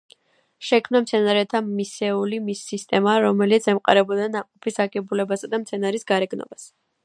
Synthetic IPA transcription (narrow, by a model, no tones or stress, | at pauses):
ʃɛkʰmnamt̪sʰɛnaɾɛt̪ʰamisɛulimisːist̪ʼɛmaɾɔmɛlit̪sʰɛmqʼa̰ɾɛbɔd̪anaqʼɔpʰisaɡʼɛbulɛbasad̪amt̪sʰɛnaɾisɡaɾɛɡnɔ̰bas